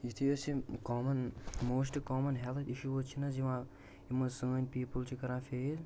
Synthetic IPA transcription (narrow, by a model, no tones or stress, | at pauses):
it̪ʰiot͡ʃʰikɔːmɐnmoːsʈikɔːmɐnɦɛlt̪ʰiʃuɦot͡ʃʰinɐziʋã | iməsəːnʲpiːpəlt͡ʃʰikɐɾãːfez